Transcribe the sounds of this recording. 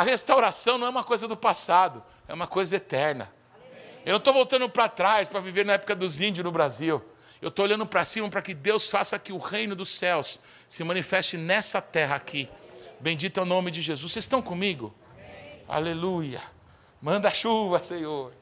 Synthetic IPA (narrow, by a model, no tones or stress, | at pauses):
ɐhest̪awɾasɐ̃w̃nɐ̃ɛũmɐkojzɐd̪ʊpasad̪ʊ | ɛũmɐkojzɐet̪ɛɾnɐ̰ | ewnɐ̃w̃t̪owvowt̪ɐ̃nd̪ʊpɾat̪ɾajspɾɐviveɾnɐɛpʊ̥kɐd̪ʊzĩd͡ʒʊznʊbɾaziw | ewt̪oolʎɐ̃d̪ʊpɾɐsĩmɐpɾɐkɪd̪ewsfasɐkɪʊhejnʊd̪ʊsɛws | sɪmɐ̃nifɛst͡ʃɪnɛsɐt̪ɛɦɐakʰibẽd͡ʒit̪awnõmɪd͡ʒɪʒezusːest̪ɐ̃w̃kõmiɡʊ | a̰lelujɐ̰ | mɐ̃nd̪ɐʃuvɐsẽɲoɾ